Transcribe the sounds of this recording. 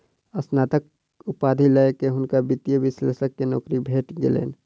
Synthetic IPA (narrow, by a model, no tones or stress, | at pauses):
əsnaːt̪ək̚ | ʊpaːd̪ʱiləkeɦʊnkabɪt̪jəʋɪslḛːsəkːenɔːkɾibʱeːʈɡḛlḛːn